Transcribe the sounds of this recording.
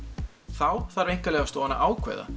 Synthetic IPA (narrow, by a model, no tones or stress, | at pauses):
θawθaɾvejŋ̥kalɛɣast̪ɔːanːa̰ʔaːwkʰvɛ̰ːjða̰